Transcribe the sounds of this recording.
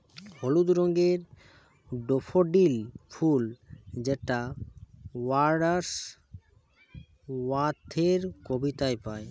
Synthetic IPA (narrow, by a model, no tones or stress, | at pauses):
holud̪ɾoŋɡeɾ | ɖofʰoɖilfʰuld͡ʑeʈa | waɾɖaɾs | wat̪ʰːeɾkobit̪aepae